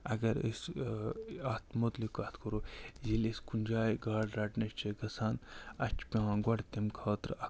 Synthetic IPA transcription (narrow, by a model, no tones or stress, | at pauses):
ɐɡɐɾḭs | aːt̪mot̪likaːt̪koɾoːziliskunʲd͡ʒaːjɡaːɽɾɐʈnɐʃt͡ʃʰeɡɐsaːnɐt͡ʃʰpʲeãːɡɐɽt̪emkʰaːt̪ɾɐ